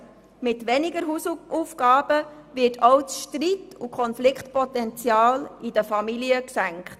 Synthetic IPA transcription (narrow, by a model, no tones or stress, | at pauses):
mɪtʋɛnɪɡəɾɦusufɡ̥ɑːb̥əvɪtʰɔwt͡sʃtɾitukʰɔnflɪkχtpɔtɛnt͡sjɑːlidəfɑmiliəksæŋkχt